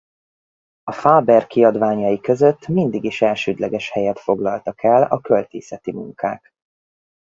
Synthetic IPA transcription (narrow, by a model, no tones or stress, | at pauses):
ɒfaːbɛrkiɒd̪vaːɲɒjikø̞zø̞t̪ːmind̪iɡiʃɛlʃøːd̪lɛɡɛʃhɛjɛt̪fo̞ɡlɒlt̪ɒkʰɛlɒkølt̪ḛːsɛt̪imṵŋka̰ːk